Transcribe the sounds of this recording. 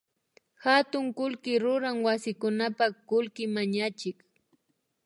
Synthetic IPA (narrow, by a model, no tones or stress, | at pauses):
hat̪ʊŋkʊlkɪɾʊɾaŋwasɪkʊnapakʊlkɪmaɲat͡ʃɪk